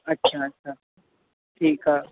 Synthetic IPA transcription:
ɐtːʃʰaɐtːʃʰa | ʈʰiːkaː

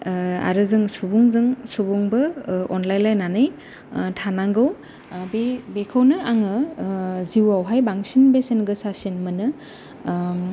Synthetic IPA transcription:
a̰ɾɯzɯŋsubuŋzɯŋsubuŋbɯɔnlajnlajnanɯj | tʰanaŋɡɯw | bebekʰawnɯaŋɯ | ziwawɦajbaŋsinbesenɡɯsasinmɯnɯ

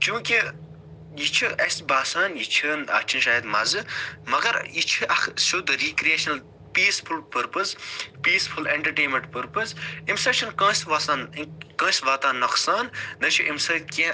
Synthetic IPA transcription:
t͡ʃũːkʲi | jit͡ʃʰuʔɐsbaːsaːnjit͡ʃʰəːnɐ̰kt͡ʃʰinʃaːjɐd̪mɐzɨmɐɡɐɾjit͡ʃʰuʔɐksud̪ɾiːkɾieːʃɐnɐl | piːsfʰulpəɾpɨspiːsfʰuleɳʈɐɾʈeːnmẽɳʈpəɾpəsimsɐkt͡ʃʰɐnkɐ̃ːsʋɐsaːnkɐ̃ːsʋaːt̪aːnːɐksaːnːɐt͡ʃʰuʔimsɐːkẽ

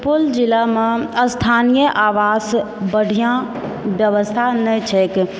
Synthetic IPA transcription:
pold͡ʒilamẽəst̪ʰanijəʔaːʋas | bəɽ̤ʱijã | bjəʋəst̪ʰanɛt͡ʃʰɛk

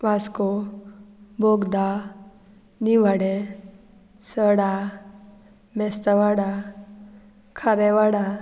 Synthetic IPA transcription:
ʋasko | boɡd̪a | niʋaɽe | səɽa | mɛst̪aʋaɽa | kʰaɾɛʋaɽa

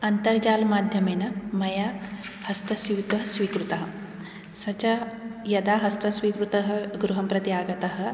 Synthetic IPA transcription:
ɐnt̪ɐɾd͡ʒaːlɐmaːd̪ʱjɐmeːnɐmɐjahɐst̪ɐsiwt̪ʋɐɦɐsʋiːkɾut̪ɐɦɐ | sɐt͡ʃɐjɐd̪aːɦɐst̪ɐsʋiːkɾut̪ɐɦɐɡɾuɦɐmpɾɐt̪jaːɡɐt̪ɐɦɐ̆

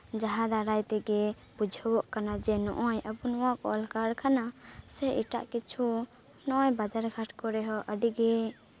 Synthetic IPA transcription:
d͡ʒaɦad̪aɾajt̪ɛɡɛ | bud͡ʒʱəwɔʔkanad͡ʒɛnɔ̰ʔɔjəbunɔwakɔ̰lkaɽkʰanasɛʔiʈa̰ʔkit͡ʃʰu | nɔʔɔjbad͡ʒaɾɡʱaʈʰkɔɾɛɦɔʔəɖiɡɛ

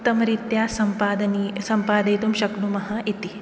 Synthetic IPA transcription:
t̪ːɐmɐɾit̪jaːsɐmpaːd̪ɐnisɐmpaːd̪ɐjt̪umʃɐkɳumɐɦɐʔit̪i

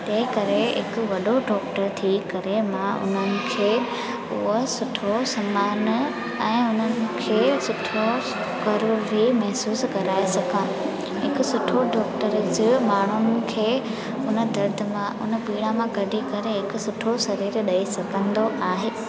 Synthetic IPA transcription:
t̪ɐ̃ɦɪ̃kɐɾeɦɪkʊ̆ʋɐɗoɖɔːkʈəɾt̪ʰikɐɾemãʔʊ̰n̤ənɪ̆kʰeː | ʊɦosʊʈʰosɐmaːn | ɛ̃ːʊn̤ənɪ̆kʰeːsʊʈʰo | kɐɾʊɾimɛɦsuːskɐɾaːesɐɡʱã | ɦɪkʊ̆sʊʈʰoɖɔːkʈəɾd͡ʑɪmaːɳ̤ʊnɪ̆kʰeː | ʊnə̆d̪ɐɾd̪ʱə̆mãʊ̰nəpiːɽamãɡɐɖʱikɐɾeɦɪkʊ̆sʊʈʰosɐɾiːɾɗɐisɐkə̃nd̪oʔaːɦeː

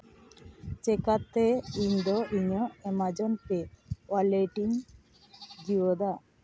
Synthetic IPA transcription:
t͡ʃɛkat̪eiɲd̪ɔʔiɲɔɛmad͡ʒɔnpewaleʈiŋ | d͡ʒiwɔd̪a

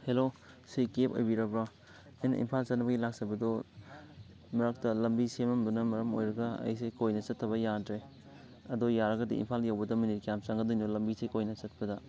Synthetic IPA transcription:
helo | sikepo̰jbiɾɐbɾa | ɐjnɐ̰ʔḭnpʰalt͡ʃɐt̚nɐbɐɡilak̚sɐbɐdo | mɐɾɐk̚tɐlɐmbisemɐmbɐnɐmɐɾɐmo̰jɾɐɡɐɐ̰jsejkojnɐt͡ʃɐtʰːɐβɐjadɾe | ɐdojaɾɐɡɐdḭḭnpʰaljawbɐdɐminit̚kijamsɐŋɡɐdojndolɐmbisejkojnɐt͡ʃɐt̚pɐdɐ

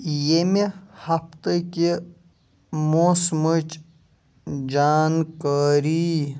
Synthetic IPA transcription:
jemehɐft̪ɐke | mosmɐt͡ʃ | d͡ʒaːnkaːɾi

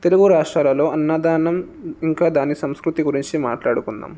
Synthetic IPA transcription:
t̪e̞luɡuɾaːʂʈɾaːlɐlo̞ːɐnːaːd̪aːɳɐm | iŋkaːd̪aːnisɐmskɾut̪iɡuɾiɲt͡ʃimaːʈlaːɽukund̪a̰ːm

